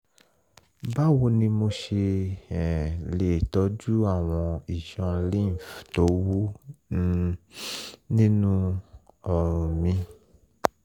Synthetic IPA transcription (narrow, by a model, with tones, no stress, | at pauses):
ba˦wo˧nĩ˧mo˧ʃe˧ɛ˨le˨tɔ˨˦d͡ʒu˦a˦˨w̃ɔ̃˧i˨ʃɔ̃˧lĩ˦˨fto˨˦wu˦ | nĩ˦nũ˦ɔ˧ɾ̃ũ˧mĩ˧